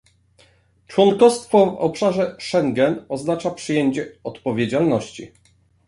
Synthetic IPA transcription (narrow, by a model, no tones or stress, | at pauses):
t͡ʂwɔnkɔst̪fɔvɔ̰pʂaʐɛʂɛŋɡɛnɔznat͡ʂapʂɨjeɲt͡ɕɛɔt̪pɔvʲjed͡ʑalnɔɕt͡ɕi